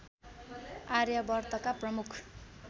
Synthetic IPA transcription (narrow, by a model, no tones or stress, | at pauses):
aɾjʌbʌrt̪ʌkaprʌmukʰ